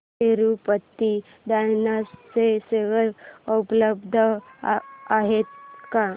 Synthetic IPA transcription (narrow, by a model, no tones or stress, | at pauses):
eɾupət̪ːi | d̪ajnaseseʋəɾəpləbd̪ʱə | aɦet̪ka